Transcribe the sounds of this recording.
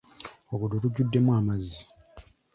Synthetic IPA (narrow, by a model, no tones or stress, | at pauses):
okudotuɟːudːe̞mwaːmazːi